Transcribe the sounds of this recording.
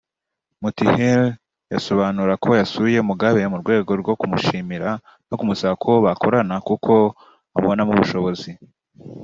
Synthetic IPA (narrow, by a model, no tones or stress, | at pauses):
mutihel | jaso̞βaːnuɾakʰo̞jasuije̞muɡaβe̞muɾɡwe̞ːɡo̞ɾɡo̞kumuʃiːmiɾa | no̞kumusaakʰo̞βako̞ɾanakukʰo̞ | aβonamuβuʃo̞βo̞zi